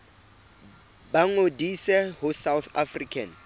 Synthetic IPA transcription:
baŋodisɛhʊsawθafrikʰan̩

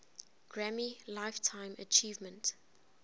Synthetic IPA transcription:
ɡ̥ɹæmilaɪftʰãɪ̃mə̰t͡ʃiːvmə̃nt

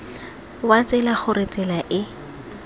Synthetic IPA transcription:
wat͡sɪlaχʊrɪt͡sɪlaʔɪ

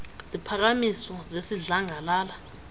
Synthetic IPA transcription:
zipʰak̬amisɔzesiɮaŋalaːla

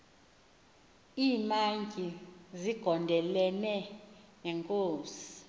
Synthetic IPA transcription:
iːmaŋɡʱiziɡ̥ʱɔndʱɛlɛnɛŋɛŋkʼoːsi̥

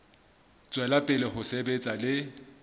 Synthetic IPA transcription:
t͡sʼwɛlapʼɪlɪhʊsebet͡sʼalɪ

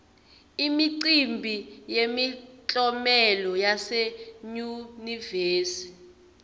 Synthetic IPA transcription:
imiǀimbʱijemit͡ɬʼɔmɛlɔjaseɲuniveːsi̥

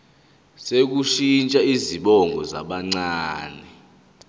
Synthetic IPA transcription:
sek̬uʃint͡ʃʼaiziɓɔŋʱɔza̰ɓaŋ͡ǀaːnɛ

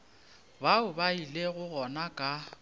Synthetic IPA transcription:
baʊbaileɣʊɣɔnakʼa

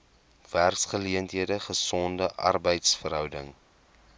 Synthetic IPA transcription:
v̥ærksχəliəntɦiədəχəsɔndəʔɐ̰rbəjtsfəɾɦœwdə̰ŋ

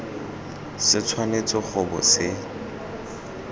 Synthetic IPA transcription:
sɪt͡sʰwanet͡sʼɔχʊbɔ̰sɪ

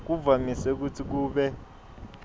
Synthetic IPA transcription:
k̬ub̪vamisɛk̬utʰik̬uːɓɛ

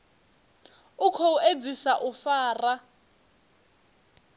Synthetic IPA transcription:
ukʰɔuʔed͡zisaʔufaːra

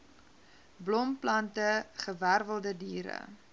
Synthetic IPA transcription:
blɔmplɐntəχəværvəlˠdədiːɾə̰

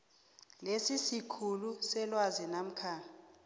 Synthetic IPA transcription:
lesisikʰulusɛlwazinam̩kʰaː

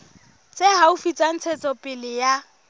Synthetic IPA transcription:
t͡sʼeɦaufit͡sʼan̩t͡sʰɛt͡sʼɔpʼɪlɪja

